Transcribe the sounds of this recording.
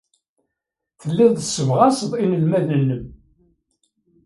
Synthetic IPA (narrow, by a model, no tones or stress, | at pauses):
θəlːiðˤðəsəvʁɑsəðˤinəlmæðənːəm